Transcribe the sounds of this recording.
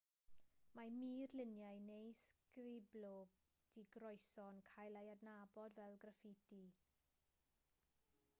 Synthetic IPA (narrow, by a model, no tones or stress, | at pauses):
majmirlɪnjajnejskɾiblo | d̥iɡɾɔjsɔnkʰajlajadnabɔdvɛlɡɾafiti